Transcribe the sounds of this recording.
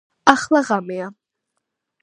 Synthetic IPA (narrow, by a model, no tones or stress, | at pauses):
aχlaʁameja